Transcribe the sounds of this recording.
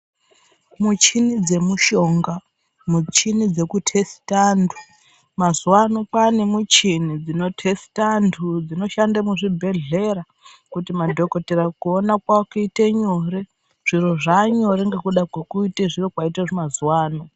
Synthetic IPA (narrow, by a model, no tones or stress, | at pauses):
mut͡ʃinid͡ze̞muʃo̞ːŋɡa | mut͡ʃinid͡ze̞kutʰesi̥tandʰʱu | mazuwanokwanemut͡ʃinid͡zino̞tʰesi̥tandʰud͡zino̞ʃandamuʐibʱe̞ɮe̞ɾa | kutimadʱo̞koteɾakuonakwaokuiteɲo̞ɾe̞ | ʐ̥iro̞ʐaɲo̞ɾeŋɡekuɗakwekuiteʐirokwaitaʐomazuwaːno